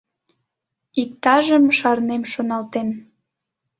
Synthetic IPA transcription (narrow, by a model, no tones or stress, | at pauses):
ik̚t̪ɑʒəmʃɑrnemʃonɑlt̪en